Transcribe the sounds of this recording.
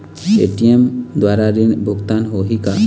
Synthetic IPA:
eʈiemd̪waɾaɾinbʱuɡt̪anɦoɦika

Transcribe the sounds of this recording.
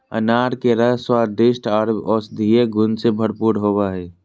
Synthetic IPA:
ə̰naːɾkeɾəɦswaːɖɪsʈaːɾbɔːsd̪ʱijeɡʱʊnsebʱəɽpuːɽɦoːbaɦɛː

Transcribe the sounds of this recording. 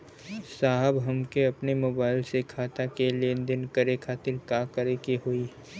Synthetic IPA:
saːɦəbɦɐmkeɐpnemoːbaːɪlsekʰaːt̪akeleːnd̪ɪnkəɾekʰaːt̪ɪlkakəɾekeɦoi

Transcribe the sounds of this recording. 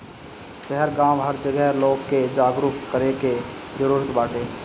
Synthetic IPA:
sɛɦəɾɡãːwɦəɾd͡ʒəɡɛɦloːɡkːed͡ʒaːɡɾut̪kəɾeke | d͡ʒəɾuːɾət̪baːʈʰeː

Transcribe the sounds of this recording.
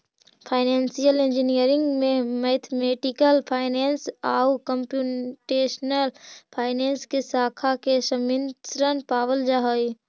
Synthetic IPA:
pʰaːɪneːnsijəlɪ̃nd͡ʒinijəɾɪ̃ŋɡmẽmeːt̪ʰmeːʈɪkəlpʰaːɪneːnsaːukəmpjuʈeːʃnəlpʰaːɪneːnskesaːkʰakesɐminsɾənpaːʋəld͡ʒaɦoi

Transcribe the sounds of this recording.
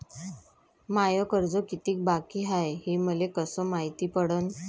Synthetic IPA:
majəkəɾd͡zɔkit̪iːk̚bakiːɦajɦiməlekəsəmaɦit̪iːpəɽən

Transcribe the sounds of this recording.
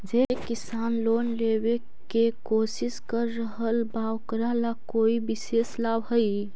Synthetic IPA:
d͡ʒekɪsaːnloːnleːwe | kekoːsɪskəɾːəɦəlbaːwkɾalakoːibɪseːslaːbɦəi

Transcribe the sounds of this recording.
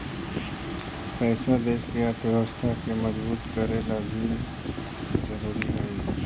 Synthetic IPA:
pɛːslad̪eːskeɐt̪ʰoɦɐst̪akemɐzbuːt̪kəɾelabʱi | zəɾuːɾiaːi

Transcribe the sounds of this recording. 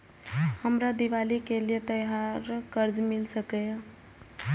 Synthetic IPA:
həmɾad̪iʋalikelijet̪əjɦaɾkəɾd͡ʒmilsəkɛ

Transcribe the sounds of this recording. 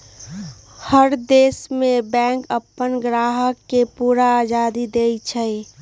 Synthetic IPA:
həɾd̪eːsmẽbɛ̃ːŋkəpːənɡɾaːɦəkːepuːɾaːd͡ʒaːd̪id̪eːt͡ʃʰəi

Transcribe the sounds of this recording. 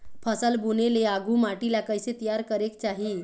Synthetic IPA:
pʰəsəlbuneleaɡʱumaʈilakəjset̪ijaɾkəɾekt͡ɕaɦiː

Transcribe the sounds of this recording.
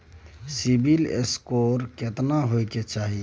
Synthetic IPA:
sibʱilḛskoɾket̪naɦoiket͡ʃaːɦi

